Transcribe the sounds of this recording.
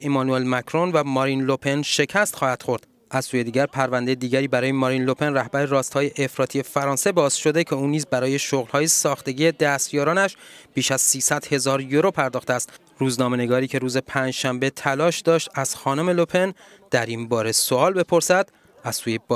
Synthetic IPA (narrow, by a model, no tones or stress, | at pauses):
emɒnue̞lmækʰɾonvæmɒɾinlo̞pʰe̞nʃe̞cʰæst̪xɒːhæd̪̥xo̞ɾd̪ | ʔæzsuːje̞d̪iːɟʲæɾpʰæɾvænd̪ejed̪iːɟæɾiːbæɾɒːjemɒɾinlo̞pʰe̞nræhbæɾeɾɒːst̪hɒːje̞ʔefɾɒːt̪ʰije̞fæɾɒːnse̞bɒːzʃo̞d̪e̞cʰe̞uːniːzbæɾɒːje̞ʃoɣlhɒːje̞sɒːxt̪e̞ɡiːed̪æst̪jɒːɾɒːnæʃb̥iːʃæz̥siːsæd̪̥he̞zɒːɾjoɾo̞pʰæɾd̪ɒːxt̪eæst̪ | ruːznɒːme̞ne̞ɡɒːɾiːcʰe̞ɾuːze̞pʰæːnd͡ʒʃæmbe̞t̪ʰælɒːʃd̪ɒːʃt̪æz̥xɒːnome̞lopʰe̞n | d̪̥æɾimbɒːɾe̞soɒːlbe̞pʰo̞ɾsæd̪̥ | æz̥suːjeb